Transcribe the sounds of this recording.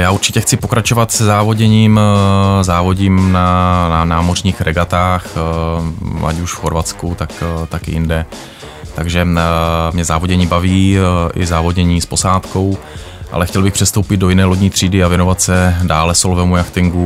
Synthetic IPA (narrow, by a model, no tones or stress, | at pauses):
jaːuɾt͡ʃɪcɛxt͡sɪpo̞kɾat͡ʃovat̪sɛzaːvo̞ɟɛɲiːmzaːvo̞ɟiːmnananaːmo̞rɲiːxɾɛɡat̪aːx | a̰cuʃfxoɾvatt͡skut̪akt̪akɪjɪ̰ndɛ | t̪aɡʒɛmɲɛzaːvo̞ɟɛɲiːbaviːʔɪ̰zaːvo̞ɟɛɲiːspo̞saːt̪ko̞w | ʔa̰lɛxcɛlbɪxpr̥ɛst̪owpɪd̪̚do̞jɪnɛːloɟɲiːt̪r̝̥iːdɪavjɛnovat̪sɛdaːlɛsolvɛmujaxt̪ɪŋɡu